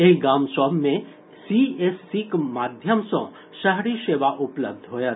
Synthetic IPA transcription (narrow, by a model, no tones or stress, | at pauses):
eɡaːmsaːbʱmẽ | siesːikmaːd̪ʱjəmsõ̰ | ʃəɦɾiʃeːʋaʔʊpləb̚d̪ʱɦoːja